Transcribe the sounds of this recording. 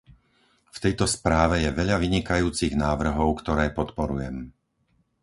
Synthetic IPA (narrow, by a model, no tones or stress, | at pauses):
ft̪ɛjt̪ɔspɾaːʋɛjɛʋɛʎaʋiɲikajuːt͡siɣnaːʋr̩ɦɔʊkt̪ɔɾɛːpɔt̪pɔɾujɛm